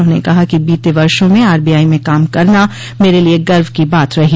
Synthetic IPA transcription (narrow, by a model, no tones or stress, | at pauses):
õnḛkɐɦakibiːt̪eʋɐɾʃõmẽaːɾbiːaːimẽkaːmkɐɾna | meːɾelieɡɐɾʋkibaːt̪ɾɐɦi